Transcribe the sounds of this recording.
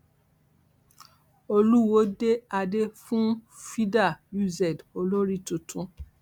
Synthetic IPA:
o˧lu˦˨wo˦de˦a˧de˦fũ˦ | fi˦da˦˨ju˦˨zɛ˨do˧lo˦ɾi˦tũ˨tʰũ˦

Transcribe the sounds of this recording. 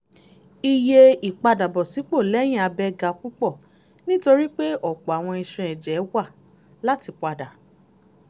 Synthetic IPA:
i˧je˧i˨k͡pa˧da˨bɔ˨si˨˦k͡po˦˨lɛ˨˦j̃ĩ˦˨a˧bɛ˦ɡa˧ku˦k͡pɔ˦˨ | nĩ˦to˧ɾi˦k͡pe˦ʔɔ˦˨k͡pɔ˨a˨w̃ɔ̃˧i˧ʃɛ̃˧ɛ̃˨d͡ʒɛ˨˦wa˦˨ | la˦ti˧k͡pa˧da˨

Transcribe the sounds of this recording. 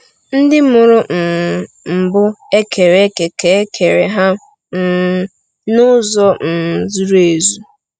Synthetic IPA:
n̩˦dɪ˦mʊ˨ɾʊ˦˨ | m̩˨bʊ˦e˦kʰe˨ɾe˦ke˨ke˨˦kʰe˨ɾe˨ɦa˦ | n̩˦˨ | nʊ˦zɔ˦n̩˨zu˦ɾe˨zu˦

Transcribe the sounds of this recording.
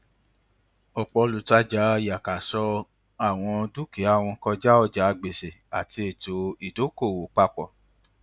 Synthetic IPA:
ɔ˨k͡pɔ˧lu˨ta˧˦d͡ʒa˨˦˨ja˨ka˨sɔ˧ | a˦˨w̃ɔ̃˧du˦ke˨˦a˦˨w̃ɔ̃˧kɔ˧d͡ʒa˦ɔ˧d͡ʒa˨˧ɡ͡be˨se˨a˨ti˧e˨to˨i˨to˨˦ko˦˨wo˨k͡pa˧k͡pɔ̰˦˨

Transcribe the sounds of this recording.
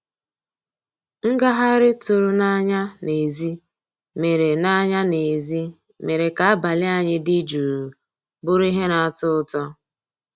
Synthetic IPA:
ŋ̩˦ɡa˦ɦa˦ɾɪ˦tʊ˨ɾʊ˨na˦ɲa˦ne˨zi˦ | me˨ɾe˨na˦ɲa˦ne˨zi˦ | me˨ɾe˨ka˨a˦ba˨lɪ˦a˦ɲɪ˦di˦d͡ʒu˨ɾu˨ | bʊ˦ɾi˦ɦe˦na˨a˨tʊ˦ʊ˦tɔ˦

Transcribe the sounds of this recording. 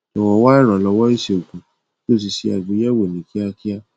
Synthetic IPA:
tɔ˨wɔ˨wa˦i˦ɾɔ˨lɔ˨˧˦wɔ˦i˦se˨u˨kũ˨ | to˦˨s̬i˧si˧a˨ɡ͡bu˨˦jɛ˦wo˨nĩ˨kʰi˦a˧ki˦a˦

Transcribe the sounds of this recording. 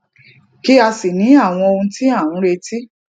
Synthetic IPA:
ki˦a˧si˨nĩ˨˦a˦˨w̃ɔ̃˧o˧ũ˧ti˦a˦˨wũ˨˦ɾe˧ti˦

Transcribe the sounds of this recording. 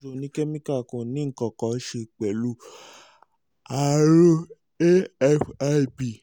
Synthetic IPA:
o˧˨nĩ˨˦kɛ˦mĩ˦ka˦˨kõ˨nĩ˦ŋ̩˨kɔ˨kɔ˨˦ʃe˧˨k͡pɛ˨lu˦ | a˨ɾo˦ | e˦fa˦˨bi˨

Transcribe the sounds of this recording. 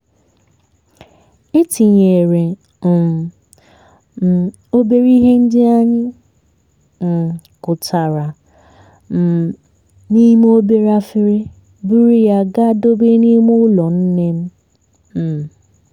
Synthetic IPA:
e˦ti˨ɲe˨ɾe˨ | o˦be˦ɾi˦ɦe˦n̩˦dɪ˦a˦ɲɪ˦˨ | kʊ˨tʰa˨ɾa˨ | m̩˨ | ni˦m˦o˦be˦ɾa˦fɪ˦ɾe˦ | bu˦ɾi˦ja˦ɡa˦do˦be˦ni˦mʊ˦lɔ˨n̩˦ne˦m̩˦˨

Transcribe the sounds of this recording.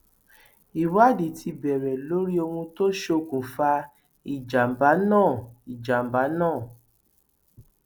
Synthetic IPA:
i˨wa˦di˨tʰi˧bɛ˨ɾɛ˨lo˦ɾi˦o˧hũ˧to˦ʃo˧kũ˨fa˧ | i˨d͡ʒa˨m̩˨ba˨˦nãː˦˨i˨d͡ʒa˨m˨ba˨˦nãː˦˨

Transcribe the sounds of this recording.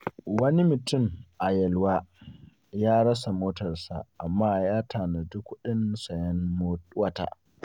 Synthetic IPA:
wɐ˦ni˦mɪ˨tʊ˦˨mʔa˨jɛ˨lwaː˦ | jaː˦ɽɐ˦s̬a˨moː˦tɐ˨rsa̰˨ʔa˨mːaː˦jaː˦taː˨na˨dʊ˦kʷːʊ˦ɗɪ˦nsɐ˨jɐ˦noː˦wɐ˦ta̰ː˨

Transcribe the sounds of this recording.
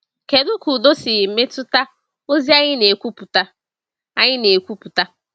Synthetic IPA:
ke˨dʊ˦ku˨do˦sɪ˨ɣɪ˨m̩˦me˦tʊ˦ta˦ | o˦zi˦a˦ɲɪ˦ne˨kʷu˦pu˨ta˦ | a˦ɲɪ˦ne˨kʷu˦pu˨ta˦

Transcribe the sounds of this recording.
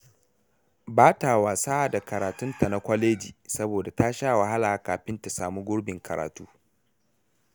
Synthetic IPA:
baː˦ta˨waː˨sa˦a˨da˨kɐ˨ɾaː˨tʊ˦nta˨na˦kʷɐ˦leː˦d͡ʒḭː˨sɐ˦boː˨da˨taː˦ʃaː˦wa˨ɦa˦laː˨kaː˨ɸɪ˦nta˨saː˨mu˦ɡʷʊ˦ɽbɪ˨ŋkʰɐ˨ɾa̰ː˨tuː˦

